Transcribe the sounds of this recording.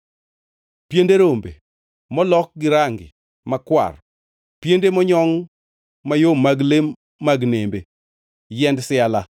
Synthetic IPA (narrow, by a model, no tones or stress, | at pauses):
pjendeɾombḛ | mɔlɔk̚ɡɪɾaŋɡɪ̰ | makwa̰r | pjendemɔɲɔŋ | majomaɡlemː | aɡnembe | jɛndsɪala